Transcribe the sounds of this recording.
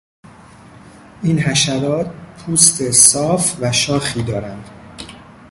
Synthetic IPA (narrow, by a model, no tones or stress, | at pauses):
ʔiːnɦæʃæɾɒːt̪̚pʰuːst̪ʰe̞sɒːfvæʃɒːxiːd̪ɒːɾænd̪̥